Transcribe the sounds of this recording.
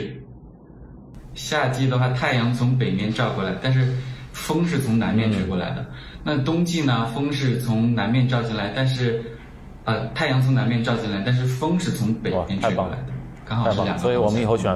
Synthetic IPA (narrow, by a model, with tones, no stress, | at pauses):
ɕja˥˩t͡ɕi˥d̪ə˨xwa˥˩t̪ʰa˥˩ɪjɑ˧˥ŋt͡sʰʊ˧˥ŋp̬e˨˩ɪmjɛ˥nʈ͡ʂɑ˥˧ʊkwɔ˥˩la̰˧˥ɪt̪a˥˧nʂ̬ɻ̩˥˩fɤ˥ŋʂ̬ɻ̩˥˩t͡sʰʊ˧˥ŋna̰˧˥nmjɛ˥˧nʈ͡ʂʰɻ̩˥kwɔ˥˩la̰˧˥ɪd̪ə̰˧ | na˥˩t̪ʊ˥ŋt͡ɕi˥˩nə˩fɤ˥ŋʂ̬ɻ̩˥˩t͡sʰʊ˧˥ŋna˧˥nmjɛ˥˧nʈ͡ʂɑ˥˧ʊt͡ɕʰi˥˩la˧˥ɪt̪a˥˧nʂ̬ɻ̩˥˩ | ə˧t̪ʰa˥˩ɪjɑ˧˥ŋt͡sʰʊ˧˥ŋna˧˥nmjɛ˥˧nʈ͡ʂɑ˥˧ʊt͡ɕʰi˥˩la˧˥ɪt̪a˥˧nʂ̬ɻ̩˥˩fɤ˥ŋʂɻ̩˥˩t͡sʰʊ˧˥ŋpe˨˩ɪmjɛ˥nʈ͡ʂ̩˥kla̰˧˥ɪd̪ə˧kɑ˥ŋxɑ˨˥˩j̰ŋ˧˥˧wɔ˨˩ə˦˥ni˨˩xo˥˩ʊɕɥɛ˨˩